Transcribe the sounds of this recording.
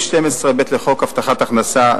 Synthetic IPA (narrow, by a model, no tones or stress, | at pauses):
ʃtemesʁebet̪leχo̞kaft̪aχat̪aχnasa